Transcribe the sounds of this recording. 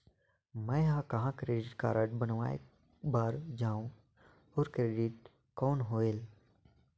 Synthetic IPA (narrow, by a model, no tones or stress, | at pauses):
mɛ̃ɦãkɐɦãkɾeːɖɪʈka̰ːɾəʈbənʋaːḛ | baːɾd͡ʒaːũ | ɔːɾkɾeːɖɪʈ̚ | kɔːnɦoːeːl